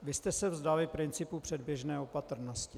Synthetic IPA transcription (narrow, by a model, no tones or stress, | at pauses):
vɪst̪ɛsɛvzdalɪpɾɪnt͡sɪpupr̥ɛdbjɛʒnɛːopat̪r̩noscɪ